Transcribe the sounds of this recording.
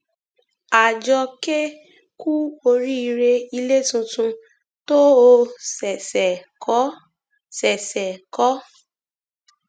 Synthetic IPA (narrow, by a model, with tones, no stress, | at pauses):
a˨d͡ʒɔ˧ke˦ | ku˦o˧ɾi˦i˧ɾe˧i˧le˦tũ˧tũ˧ | to˦o˧sɛ˨sɛ˨kɔ˨˦ | sɛ˨sɛ˨kɔ˨˦